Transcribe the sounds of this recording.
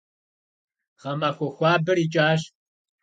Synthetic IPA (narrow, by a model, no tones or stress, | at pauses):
ʁɐmɐxʷɔxʷɑːbɨɾiːt͡ʃʼaːɕ